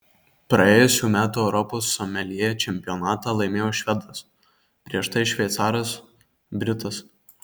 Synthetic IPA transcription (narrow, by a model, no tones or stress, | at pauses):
pɾɐeːjʊsʲuːmʲæːt̪uːɛʊɾɔpoːsːɔmʲɛlʲiɛjɛt͡ʃʲɛmʲpʲɪjɔnɑːt̪ɑːlˠɐɪmʲeːjoːʃʲʋʲɛd̪ɐs | pʲɾʲiɛʃt̪ɐɪʃʲʋʲɛɪt̪sɑːɾos | bʲɾʲɪt̪ɐs